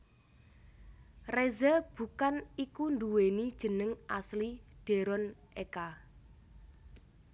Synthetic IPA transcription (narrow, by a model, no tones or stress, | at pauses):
rezəb̥ṳkanikund̪uwenid̥ʒ̥ə̤nəŋʔaslid̥e̤ɾɔnʔeka